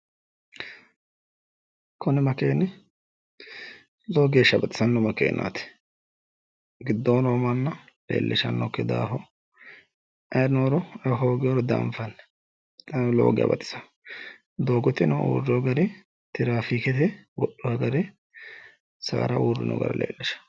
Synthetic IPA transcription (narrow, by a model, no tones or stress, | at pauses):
kʰɔnɛmɐkeːnːɛ | loːɡeːʃɐbɐt̪ʼɪsɐnːɔmɐkḛːnʔa̰ːt̪ɛ̥ | ɡɪd̪ːoːnoːmɐnːɐ | lḛːlːɛʃɐ̰nːɔkːɛd̪a̰ːɦɔ | ɐnoːɾɔɛɦoːɡɪjɔɾɔd̪a̰ːɱfɐnːɛ | t̪ɐnlo̰ːɡɪja̰bɐt̪ʼɪ̥sɐ̥ | d̪oːɡɔt̪ɪnɔṵːrːɔɡɐɾɛ | t̪ɪɾaːfiːkɛt̪ɛwɔɗːɔhɐɡɐɾɛ | sa̰ːɾɐʔuːrːɪ̰nɔ̰ɡɐ̰ɾɐ̰lʔḛːlːɪʃɐ̥